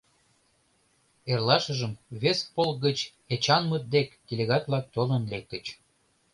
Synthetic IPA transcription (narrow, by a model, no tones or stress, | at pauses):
erlɑʃəʒəmβespolɡət͡ɕ | et͡ɕɑnmət̪̚d̪ekd̪̥ʲelʲeɣɑt̪vlɑk̚t̪olənlek̚t̪ət͡ɕ